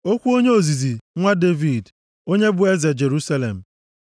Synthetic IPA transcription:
o˦kʷu˦o˦ɲe˦o˨zi˨zi˨ŋʷa˦de˦vi˨d | o˦ɲe˦bʊ˨e˦ze˨d͡ʒe˨ɾu˦sa˦lḛ˨m̩˨

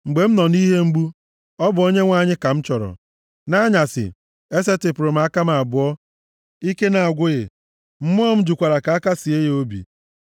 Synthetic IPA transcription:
ŋ͡m̩˨ɡ͡be˨m̩˦nɔ˨ni˦ɦe˦ŋ͡m̩˦ɡ͡bu˦ | ɔ˦bʊ˨o˦ɲe˦ŋʷa˦˨ɲɪ˦ka˨m̩˦t͡ʃɔ˨ɾɔ̰˨ | na˦ɲa˨sɪ̰˨ | e˦se˦tɪ˨pʊ˨ɾʊ˨m̩˦a˦ka˦ma˨a˨bʊ˨ɔ˦ | i˦ke˦na˨a˨ɡʷʊ˦ɣɪ˨ | m̩˦m˦ɔ˦m̩˦d͡ʒu˨kʷa˨ɾa˨ka˨a˦ka˦si˨e˦jo˦bḭ˨

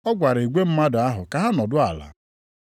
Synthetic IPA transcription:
ɔ˦ɡʷa˨ɾe˨ɡʷe˦m̩˦ma˦dʊ˨a˦ɦʊ˨ka˨ɦa˦nɔ˨dʊ˦a˨la̰˨

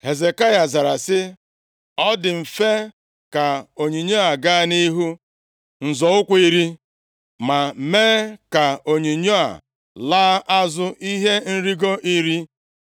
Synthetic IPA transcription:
he˨ze˨ka˦ja˨za˨ɾa˨sɪ˦ | ɔ˦dɪ˨m̩˨fe˦ | ka˨o˨ɲi˨ɲo˦a˨ɡa˦ni˦ɦu˦ | n̩˨zɔ˨ʊ˦kʷi˦ɾi˦ | ma˨meː˦ka˨o˨ɲi˨ɲo˦a̰˨ | laː˦ʔa˦zʊ˦ʔi˦ɦe˦n̩˦ɾi˦ɡo˦ʔi˦ɾi˦

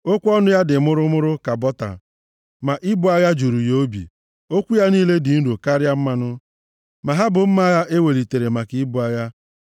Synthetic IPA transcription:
o˦kʷɔ˦nʊ˦ja˦dɪ˨mʊ˦ɾʊ˦mʊ˦ɾʊ˦ka˨bɔ˦ta̰˨ | ma˨ʔɪ˦bʊ˦˨a˦ja˦d͡ʒu˨ɾu˨jo˦bḭ˨ | o˦kʷu˦ja˦niː˦le˦dɪ˨n̩˦ɾo˨ka˦ɾja˦m̩˦ma˦nʊ˦ | ma˨ɦa˦bʊ˨m̩˦ma˦ɣa˦ʔe˦we˨li˨te˨ɾe˨ma˨ki˨i˦bʊ˨a˦ja˦

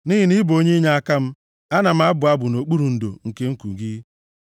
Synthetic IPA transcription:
ni˦ɦi˨ni˦bo˦ɲe˦ɲa˦a˦ka˦m̩˦ | a˦na˨m̩˦a˦bʊ˨a˦bʊ˨no˨k͡pu˦ɾu˨n̩˨do̰˨ŋ̩˨ke˦ŋ̩˦ku˨ɡi˦

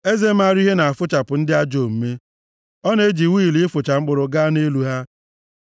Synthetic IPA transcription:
e˦ze˦ma˦˨ɾi˦ɦe˦na˨a˨fʊ˦t͡ʃa˨pʊ˨n̩˦dɪ˦a˦d͡ʒo˨m̩˨me˦ | ɔ˦ne˦d͡ʒi˨wi˦˨li˦fʊ˨t͡ʃa˨ŋ͡m̩˦k͡pʊ˨ɾʊ˨ɡaː˦ne˦lu˦ɦa˦

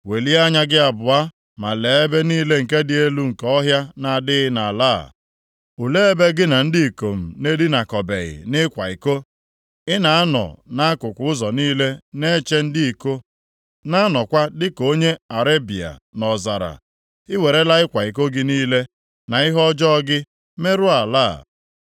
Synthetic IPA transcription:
we˨li˦a˦ɲa˦ɡɪ˦a˨bʊ˨a˦ | ma˨le˨e˦be˦niː˦le˦ŋ̩˨ke˦dɪ˨e˦lu˦ŋ̩˨kɔ˦ɦja˦na˨dɪ˦ɣɪ˦na˨laː˦˨ | u˨le˦e˦be˦ɡɪ˦na˨n̩˦dɪ˦i˨ko˨m̩˨ne˦dɪ˦na˨kɔ˨be˨ɣɪ̰˨nɪ˦kʷa˨i˨ko˦ | ɪ˦na˨a˦nɔ̰˨na˦a˦kʊ˨kʷʊ˨ʊ˦zɔ˨niː˦le˦ne˦t͡ʃe˦n̩˦dɪ˦i˨ko˦ | na˦a˦nɔ˨kʷa˦dɪ˦ko˦ɲe˦a˨ɾe˦bi˨a̰˨nɔ˨za˨ɾa̰˨ | ɪ˦we˨ɾe˦la˦ɪ˦kʷa˨i˨k̬o˦ɡɪ˦niː˦le˦ | na˨ɪ˦ɦɔ˦d͡ʒɔ˦ɔ˦ɡɪ˦ | me˦ɾʊ˦a˨la̰ː˦˨

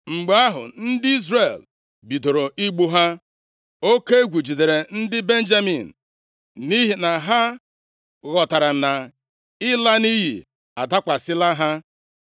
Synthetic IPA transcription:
ŋ͡m̩˨ɡ͡ba˦ɦʊ̰˨n̩˦dɪ˦i˦zre˨l | bi˨to˨ɾo˨ʔi˦ɡ͡bu˦ɦa˦ | o˦ke˦ɡʷu˨d͡ʒi˨de˨ɾe˨n̩˦dɪ˦be˦n̩˦d͡ʒa˦mḭ˨n̩˨ | ni˦ɦi˨na˨ɦa˦ | ɣɔ˨ta˨ɾa˨na˨ | ɪ˦la˦ni˦ɦḭ˨ | a˨ta˦kʷa˨sɪ˦la˦ɦa˦

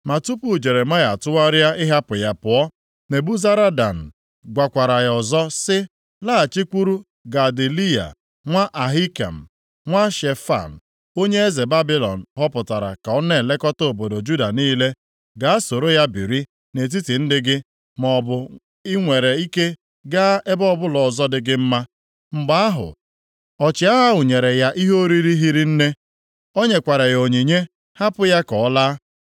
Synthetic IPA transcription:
ma˨tu˦pu˦˨d͡ʒe˨ɾe˨ma˦ja˨tʊ˦a˦ɾja˦ɪ˦ɦa˦pʊ˨ja˨pʊ˨ɔ˦ | ne˨bu˦za˦ɾa˦da̰˨n̩˨ | ɡʷa˨kʷa˨ɾa˨ɣɔ˨zɔ˦sɪ˦ | la˦a˨t͡ʃi˦kʷu˦ɾu˦ | ɡa˨di˨li˦ja̰˨ | ŋʷa˦ʔa˨ɦi˦ka̰˨m̩˨ | ŋʷa˦ʃe˨fa̰˨n̩˨ | o˦ɲe˦e˦ze˨ba˦bi˦lɔ˨n̩˨ɦɔ˦pʊ˨ta˨ɾa̰˨ka˨ɔ˦ne˦˨le˦kɔ˦to˦o˨bo˨do˨d͡ʒu˦da˨niː˦le˦ | ɡa˨a˦so˨ɾo˦ja˦bi˨ɾi˦ | ne˨t̬i˦ti˨n̩˦dɪ˦ɡɪ˦ | mɔ˨bʊ˨ | ɪ˦ŋʷe˨ɾe˨i˦ke˦ | ɡa˦e˦bɔ˦˨bʊ˦lɔ˨zɔ˦dɪ˦ɡɪ˦m̩˦ma˦ | ŋ͡m̩˨ɡ͡ba˦a˦ɦʊ̰˨ | ɔ˨t͡ʃɪ˨˦a˦ɦa˦ʊ˨ɲe˨ɾe˨ja˦ʔi˦ɦo˦ɾi˦ɾi˦ɦi˦ɾi˦n̩˦ne˦ | o˦ɲe˨kʷa˨ɾe˨jo˨ɲi˨ɲe˦ | ha˦pʊ˦ja˦kɔ˨˦laː˦

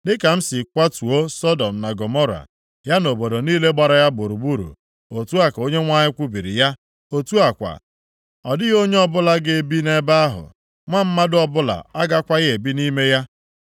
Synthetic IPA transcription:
dɪ˦ka˨m̩˦sɪ˨kʷa˦tu˨o˦sɔ˦dɔ˨m̩˨na˨ɡo˨mɔ˦ɾa̰˨ | ja˦no˨bo˨do˨niː˦le˦ɡ͡ba˨ɾa˨ja˦bo˨ɾu˨bu˦ɾṵ˨ | o˨tu˦a˨ko˦ɲe˦ŋʷa˦ɲɪ˦kʷu˦bi˨ɾḭ˨ja˦ | o˦tu˦a˨kʷa̰˨ | ɔ˨dɪ˦ɣo˦ɲe˦ɔ˦bʊ˦la˦ɡe˨bi˦ne˦ba˦a˦ɦʊ̰˨ | ŋʷa˦m̩˦ma˦dʊ˦ɔ˦˨bʊ˦la̰˨a˦ɡa˦kʷa˦ɣe˦e˨bi˦ni˦me˦ja˦

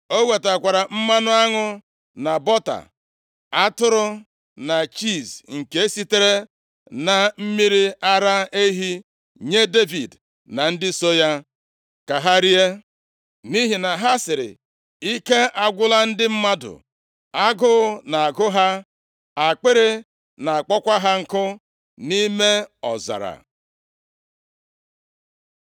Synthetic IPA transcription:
o˦we˨ta˨kʷa˨ɾa˨m̩˦ma˦nʊ˦a˦ŋʊ˦ | na˨bɔ˦ta̰˨ | a˦tʊ˦ɾʊ˦ | na˨t͡ʃi˦˨sŋ̩˨ke˨˦e˦si˦te˦ɾe˦ | na˨m̩˦mi˦ɾi˦a˦ɾa˦e˦ɦi˦ | ɲe˦de˦vi˨d | na˨n̩˦dɪ˦so˦ja˦ | ka˨ɦa˦ɾi˦e˦ | ni˦ɦi˨na˨ɦa˦sɪ˨ɾɪ̰˨ | i˦ke˦ʔa˨ɡʷʊ˦la˦n̩˦dɪ˦m̩˦ma˦dʊ̰˨ | a˦ɡʊ˦ʊ˦na˨a˨ɡʊ˦ɦa˦ | a˨k͡pe˦ɾe˦ | na˨a˨k͡pɔ˦kʷa˦ɦa˦ŋ̩˨kʊ˦ | ni˦me˦ɔ̰˨za̰˨ɾa̰˨

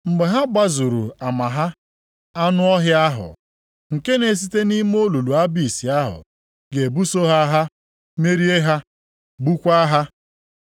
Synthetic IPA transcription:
ŋ͡m̩˨ɡ͡be˨ɦa˦ɡ͡ba˦zu˨ɾṵ˨a˨ma˨ɦa˦ | a˦nʊ˦ɔ˦ɦjɪ˦a˦ɦʊ̰˨ | ŋ̩˨ke˦ne˨s̬i˦te˦ni˦m˦o˦lu˨lu˨a˦bi˨si˨a˦ɦʊ̰˨ | ɡe˨bu˦so˦ɦa˦ɦa˦ | me˦ɾi˦e˦ɦa˦ | bu˦kʷa˦ɦa˦

